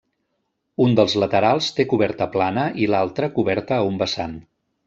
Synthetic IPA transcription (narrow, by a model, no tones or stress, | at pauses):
und̪əlˠzlət̪əɾalˠst̪ekuβɛɾt̪əplanəʔilalˠt̪ɾəkuβɛɾt̪əumbəsan